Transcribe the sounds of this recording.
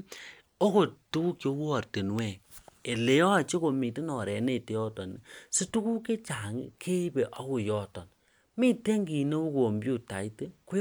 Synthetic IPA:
o˦ko˨tu˦ku˦kjo˦wu˦ɔ˨rte˨nwɛ˦˨e˨le˨˦jɔ˦a˨t͡ʃe˦ko˨mi˨ti˦nɔ˨ɾɛ˨ne˦˨te˨jɔ˦tɔ˨ni˨su˦tu˦ku˦ke˦t͡ʃa˨ŋḭ˦kʰe˦i˦be˨ʔa˦ko˨jɔ˨tɔ˨n | mi˦˨te˦ŋɡi˨ne˦u˦ko˨mbju˦˨ta̰˨i˦te˦ku˦

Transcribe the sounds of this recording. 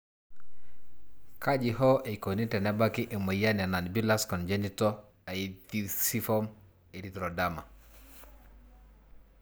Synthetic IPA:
ka˦d͡ʒi˨ɦɔ˦ʔe˨ko˨ni˦tɛ˨nɛ˦ba˦ki˦ʔe˨mə˨ja˦n˨a˨na˨nbi˦la˦skɔ˨nd͡ʒe˦ni˦tɔ˦ | a˨i˦ti˦si˦fɔ˦m | e˨di˨t̪ɾɔ˨da˦ma̰˨

